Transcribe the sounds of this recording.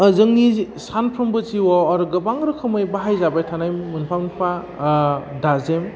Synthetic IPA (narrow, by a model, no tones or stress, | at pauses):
zɯŋnisanpʰɾɯmbɯziwɔaɾɡɯbaŋɾɯkʰɯmɯjbaɦajzabajtʰanajmːɯnpʰamnpʰa | dazem